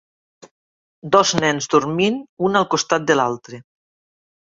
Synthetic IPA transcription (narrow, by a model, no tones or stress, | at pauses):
d̪ɔznɛnzd̪uɾminunalˠkost̪at̪̚d̪elalˠt̪ɾe